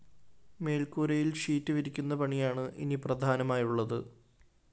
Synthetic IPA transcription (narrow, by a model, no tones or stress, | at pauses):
me̞ːlkuːɾɐjilʂiːtːɨʋiɾikʲːunːɐpɐɳijaːɳɨʔḭniprɐd̪ʱaːnɐmaːjuɭːɐðɨ